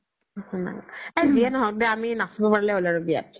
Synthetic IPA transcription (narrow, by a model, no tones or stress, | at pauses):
hɔ̃na̰ɡɛzijanɔɦɔk̚dɛaminasibɔpaɹilɛolaɹobia̰t̚